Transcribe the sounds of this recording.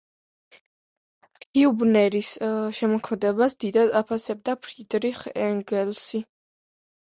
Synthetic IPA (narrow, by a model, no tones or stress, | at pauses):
kkʰiubnɛɾisʃɛmɔkʰmɛd̪ɛbasd̪id̪ad̪apʰasɛb̚d̪apʰɾid̪ɾiχɛŋɡɛlsi